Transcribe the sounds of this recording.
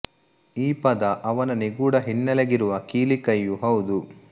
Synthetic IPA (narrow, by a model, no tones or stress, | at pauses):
iːpɐd̪ɐʔɐʋɐnɐneɡuːɽɐɦinːɐleɡiɾuʋɐkiːlikɐjːuɦɐwd̪u